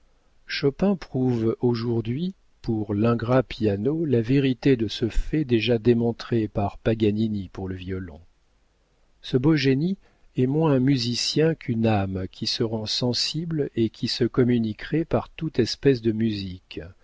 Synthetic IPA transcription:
ʃɔpɛ̃pχuvoʒuʁd̪ɥi | puʁlɛ̃ɡʁapjanolaveʁit̪ed̪əsəfɛd̪eʒad̪emɔ̃t̪χepaʁpaɡaninipuʁləvjɔlɔ̰̃ | səboʒeni | ɛmwɛ̃myzisjɛ̃kʰynamkʲʰisəʁɑ̃sɑ̃siblekʲʰisəkɔmynikʁɛpaʁt̪ut̪ɛspɛsd̪əmyzik

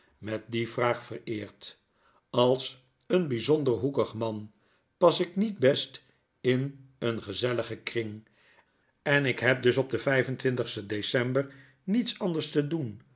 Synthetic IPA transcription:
mɛt̚divraːχfərɪːɹt | ɑlˠs | ənbizɔndəɹɦukəχmɑn | pɑsɪknid̚bɛst | ɪnənχəzɛləχəkrɪŋ | ɛnɪkɦɛp̚dɵsɔb̚dəvɛjvəntʋɪntəχstədesɛmbər | nitsɑndəɹstədun

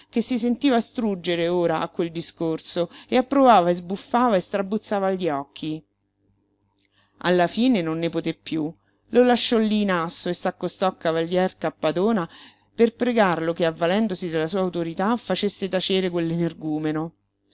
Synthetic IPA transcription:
kesːisent̪iːvast̪ɾud͡ʒeɾeoːɾaakːweld̪iskorsoeapːɾovaːvaezbufːaːvaest̪ɾabːut̪sːaːvaʎːiɔkʰːi | a̰lːafiːnenonːepot̪epːju | lolaʃːɔlːiːnasːoesːakːost̪ɔkːavaʎːjɛrkapːad̪oːna | perpɾeɡarlokeavːalɛnd̪osid̪elːasuːawt̪oɾit̪afat͡ʃesːet̪at͡ʃeːɾekwelːenerɡuːmeno

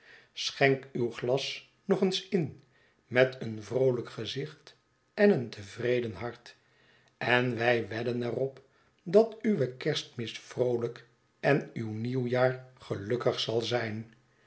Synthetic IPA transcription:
sχɛŋkywχlɑs | nɔχənsɪn | mɛtənvrowləkχəzɪχt | ɛnəntəvrejdənɦɑɹt | ɛnʋɛjʋɛdənɛrɔp | dɑtyʋəkɛɹstmɪstfrowlək | ɛnywniwjaːɹχəlɵkəχsɑlˠzɛjn

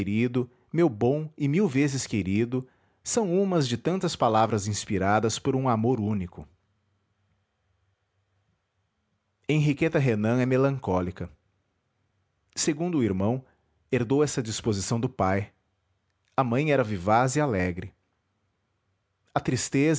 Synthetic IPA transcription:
ɾid̪ʊ | mewbõw̃ɪmiwvezɪskeɾid̪ʊ | sɐ̃w̃ũmɐzd͡ʒɪt̪ɐ̃nt̪ɐspalavɾɐzĩspiɾad̪ɐspoɾũamoɾũnikʊ | ẽɦiket̪ɐɦenɐ̃ɛmelɐ̃ŋkɔlikɐ | seɡũnd̪ʊːiɾmɐ̃w̃ | eɾd̪owɛsɐd͡ʒispozisɐ̃w̃d̪ʊpaj | ɐmɐ̃j̃ɛɾɐvivazialɛɡɾɪ | ɐt̪ɾist̪ez

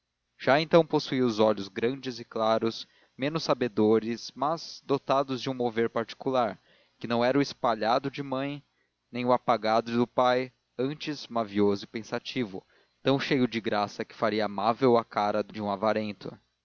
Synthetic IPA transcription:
ʒ̥aẽnt̪ɐ̃w̃posuiʊzɔʎʊzɡɾɐ̃d͡ʒɪzɪklaɾʊs | mẽnʊsabed̪oɾɪsmɐz̥d̪ot̪ad̪ʊzd͡ʒɪũmoveɾpaɾt͡ʃi̥kulaɾ | kɪnɐ̃w̃ɛɾʊɪspaʎad̪ʊd͡ʒɪmɐ̃j̃ | nẽj̃ʊapaɡad̪ʊd̪ʊpaj | ɐ̃nt͡ʃɪzmaviozʊɪpẽsat͡ʃivʊ̰ | t̪ɐ̃w̃ʃejʊd͡ʒɪɡɾasɐkɪ̥faɾiɐːmavewakaɾɐd̪ʊd͡ʒɪũavaɾẽnt̪ʊ̰

